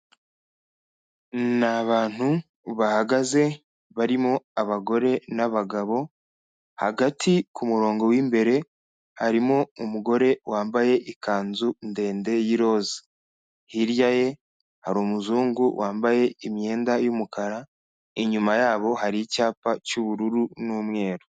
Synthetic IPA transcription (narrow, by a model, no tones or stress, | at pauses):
naβaːn̥hu | βahaɡaze̞ | βaɾimo̞aβaɡo̞ɾe̞naβaɡaβo̞ | ha̰ɡatʰikumuɾo̞ːŋɡo̞wiːmbe̞ɾe̞ | haɾimo̞umuɡo̞ɾe̞waːmbaje̞ʔikʰaːnzunde̞ːnde̞jiɾo̞ːzḁ | hiɾjaje̞ | haɾoːmuzuːŋɡuwaːmbaje̞imje̞ːndajumukaɾa | iɲumajaːβo̞haɾicaːpacuβuɾuɾunuːmŋe̞ːɾo